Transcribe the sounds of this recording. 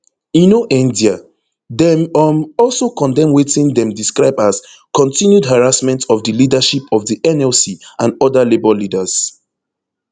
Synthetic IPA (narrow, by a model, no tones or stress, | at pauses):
ĩnoʔĩndia | dɛmɔmɔlˠsokɔ̃ndɛ̃mwetĩndɛ̃mdiskɹaɪbas | kɔ̃ntʰĩnjudɦaɹasmɛ̃ntɔvdəlidaʃipɔvðiʔɛnɛlsiãnɔdəlebɔlidəz̥